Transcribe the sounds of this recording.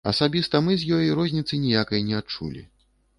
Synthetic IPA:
ɐsabʲist̪ɐmɨzʲjɔjiɾɔzʲnʲit̪sɨnʲijakɐjnʲɛat͡ʂṵlʲḭ

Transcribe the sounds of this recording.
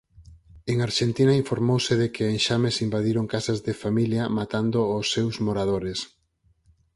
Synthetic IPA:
eŋaɾʃent̪inɐiɱfoɾmowsɪðekɪeŋʃamesimbaðiɾoŋkasɐzðefamiljɐmat̪and̪oːsːewzmoɾaðoɾes

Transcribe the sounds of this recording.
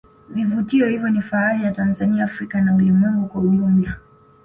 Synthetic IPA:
vivutiɔhivjɔnifaalijatanzaniaːfɾikanaulimwɛŋɡukwauʄumbla

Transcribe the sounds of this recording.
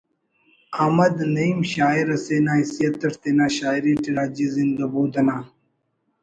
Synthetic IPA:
amɐd̪nɐimɕaːiɾɐseːnaːisijɐt̪ːɐʂt̪enaːɕaːiɾiːʈiɾaːd͡ʑizind̪ɐbuːd̪ɐnaː

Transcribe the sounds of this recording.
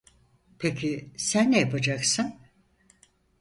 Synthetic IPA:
pʰecʰisænːejapʰad͡ʒaksɯn

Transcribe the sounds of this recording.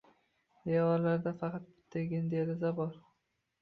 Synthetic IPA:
eɒɾlaɾd̪afɑqʰɑt̪̚ːʰ | eɡʲɪnd̪eɾɪzabɒɾ

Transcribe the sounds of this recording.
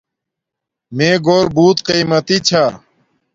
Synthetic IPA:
meːɡoːɾbuːt̪qiːmɐt̪it͡ɕʰaː

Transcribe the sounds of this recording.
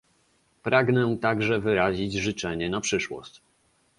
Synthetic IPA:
pɾaɡnɛt̪aɡʐɛvɘɾaʑid͡ʑʐɘt͡ʂɛɲɛnapʂɘʂwɔ̰ɕt͡ɕ

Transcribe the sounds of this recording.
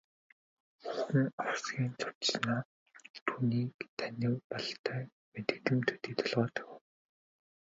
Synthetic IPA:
xuxɘ̆ŋɔwsɡʲiːnt͡sʰʊ̥t̪̆snaː | t̪ʰuːniːkt̪ʰænʲɪ̆wpɔɮt̪ʰœː | met̪ɘ̆kt̪ɘ̆mt̪ʰɵt̪iːt̪ʰɔ̆ɮʁɔːt̪ʰœ̥w

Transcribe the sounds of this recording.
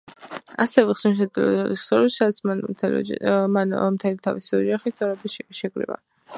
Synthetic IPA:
asɛvɛχsmiʃ̬ɛd̪ɛlˠɔ̰d̪a̰lissɔɾiʃsad̪at̪sʰ | manmt̪ʰɛlit̪ʰavisiɔd͡ʒaχist̪sʼɛɾɛbiʃʃɛɡɾḭva̰

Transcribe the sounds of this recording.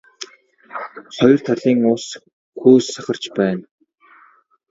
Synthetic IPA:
χɔjɞ̆r̥t̪ʰaɮiːŋʊːs | xuːsːaχə̆r̥t͡ɕpæːn

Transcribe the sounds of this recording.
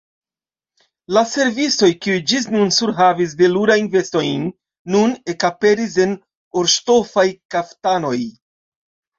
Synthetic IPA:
lase̞ɾvit͡so̞jkiujd͡ʒis̬nunsuɾɦavis̬deluɾajnve̞sto̞jnː | une̞kape̞ɾis̬e̞n | oɾʃto̞fajkaftano̞j

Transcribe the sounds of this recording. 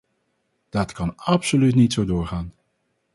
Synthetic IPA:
d̥ɑtkɑnɑpsolytnitsowdʊːɹχaːn

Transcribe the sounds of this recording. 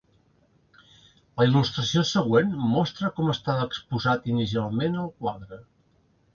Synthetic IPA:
ləilust̪ɾəsiosəɣ̞wenmɔst̪ɾəkɔməst̪aəkspuzat̪inis̬ialˠmenəlˠkwaðɾə

